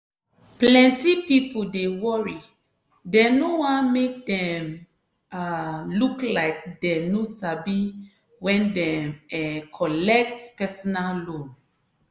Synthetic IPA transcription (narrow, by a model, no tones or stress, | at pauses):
pllɛ̃ntipipodewɔɹi | denowãnmek̚dɛ̃m | aluklaɪk̚dɛnosabi | wɛ̃ndɛ̃mɛkʰɔlɛk̚tpɛsɔnallõn